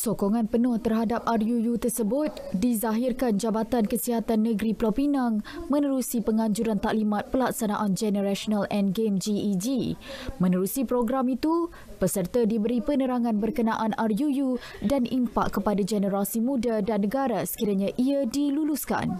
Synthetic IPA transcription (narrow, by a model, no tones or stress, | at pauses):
sokoŋãnpənʊht̪ərɦadap̚arjujut̪ərsəbʊt̪̚dizaɦiɪrkand͡ʒabat̪ankəsiɦat̪anːə̃ɡɾiplapinaŋmə̃nəɾusipəŋãɲd͡ʒuɾant̪aʔlimãt̪̚pəlaksanaʔand͡ʒɛnəɾaʃonalɛnɡemd͡ʒid͡ʒimə̃nəɾusipɾoɡɾamit̪u | pəsərt̪adibəɾipənəɾaŋãnbərkənaʔanarjuju | danimpaʔkːəpadad͡ʒɛnəɾasimũdadanːəɡaɾasə̥kiɾaɲãʔiadiluluska̰n